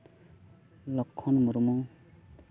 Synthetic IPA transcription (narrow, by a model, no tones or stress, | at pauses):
lɔkʰːɔnmuɾumɔŋ